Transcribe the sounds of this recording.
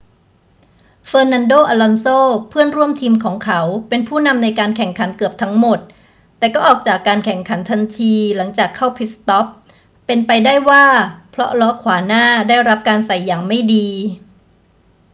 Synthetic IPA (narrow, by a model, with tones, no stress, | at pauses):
fɤː˧na˧ndoː˥˩ʔaː˧lɔ˧nsoː˥˩pʰɯ˥˩ənɾu˥˩əmt̪ʰiː˧mkʰɔː˩˦ŋkʰa˦˥wpe˧npʰuː˥˩na˧mna˧jkaː˧nkʰɛ˨˩ŋkʰa˩˦nkɯ˨˩əp̚t̪ʰa˦˥ŋmo˨˩t̪̚ː | ɛː˨˩kɔː˥˩ʔɔː˨˩k̚t͡ɕaː˨˩kːaː˧nkʰɛ˨˩ŋkʰa˩˦nt̪ʰa˧nt̪ʰiː˧la˩˦ŋt͡ɕaː˨˩kʰːa˥˩wpʰi˦˥t̪̚st̪ɔ˦˥p̚ː | e˧npa˧jdaː˥˩jwaː˥˩pʰɾɔ̰˦˥lɔ˦˥kʰwaː˩˦naː˥˩daː˥˩jɾa˦˥p̚kaː˧nsa˨˩jːaː˨˩ŋma˥˩jdiː˧